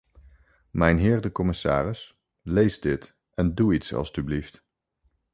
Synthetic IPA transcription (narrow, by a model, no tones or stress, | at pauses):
mɛjnɦɪːɹdəkɔmɪsa̰ːrɪs | lejzdɪt | ɛnduitsɑ̰lˠstyblift